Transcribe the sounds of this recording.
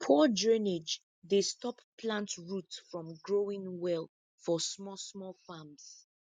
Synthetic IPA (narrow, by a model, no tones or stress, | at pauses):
pʰɔd͡ʒɹɛned͡ʒ | destɔppʰlãntɹutsfɹɔ̃mɡɹoɪ̃ŋwɛlˠ | fɔsmɔlsmɔlfamz̥